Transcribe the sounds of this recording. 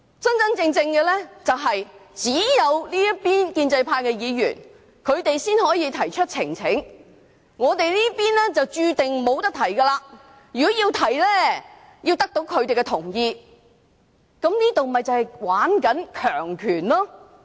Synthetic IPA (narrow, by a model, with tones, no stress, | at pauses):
sɐ˥nt͡sɐ˥nt͡sɪ˧ŋt͡sɪ˧ŋkɛ˧lɛ˥t͡sɐ˨wɦɐ˨jt͡siː˨˥jɐ˨˧wliː˥jɐ˥t̚piː˥nkiː˧nt͡sɐ˧jpʰaː˧jkɛː˧jiː˨˧jy̰ː˨˩n | kʰɵ˨˧ɥt̪e˨jsiː˥nhɔː˨˥jiː˧t̪ʰɐ˨˩jt͡ʃʰɵ˥t̚t͡sʰɪ˨˩ŋt͡sʰɪ˨˥ŋ | ŋɔː˨˧t̪e˨jliː˥piː˥nɛ˥t͡sɐ˨wt͡ʃyː˧t̪ɪ˨ŋmo˨˧wt̪ɐ˥k̚t̪ʰɐ˨˩jkɐ˧laː˧ | jyː˨kɔ˨˥jiː˧wt̪ʰɐ˨˩jlɛː˥ | jiː˧wt̪ɐ˥k̚t̪o˨˥wkʰɵ˨˧ɥt̪e˨jkɛ˧t̪ʰʊ˨˩ŋjiː˧ | kɐ˨˥mniː˥t̪o˨wmɐ˨˩jt͡sɐ˨˧hɐ˨jwaː˨˥nkɐ˨˥nkʰœː˨˩ŋkʰyː˨˩nlɔː˥